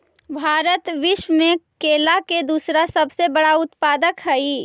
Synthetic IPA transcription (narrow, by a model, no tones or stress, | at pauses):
bʱaːɾət̪ʋɪʃwəmẽkeːlaked̪uːsɾasɐbsebɐɽaʊt̪paːd̪əkɦɛiː